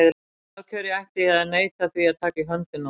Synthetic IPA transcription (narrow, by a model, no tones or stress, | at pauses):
ɛðɪ | acʰœːɾɪajht̪ɪaðneːjt̪aθviaðt̪ʰaːkaiɦœnt̪ɪna